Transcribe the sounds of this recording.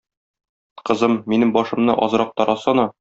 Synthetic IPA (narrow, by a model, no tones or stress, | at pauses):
qɤ̆zɤmːinɘŋbɒʃɤ̆mnɤʔɒzɾɑq̚t̪ɒɾɑsɑnɑ